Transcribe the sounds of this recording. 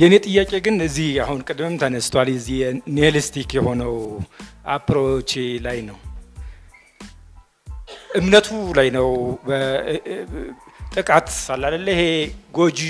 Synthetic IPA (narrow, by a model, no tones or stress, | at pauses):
jɛnet̪ʼɨjːakʼe̞ɡɨnɨzːihahunkʼɨd̪mɨmt̪ʰənəst̪ʰwaljɛzːihjɛnelist̪ʰikjɛho̞nəwʔapʰɾot͡ʃʼlajnəw | ʔɨmnət̪ʰulajnəwbə | t̪ʼɨkʼat̪salːad̪əlːəjhe̞ɡo̞d͡ʒi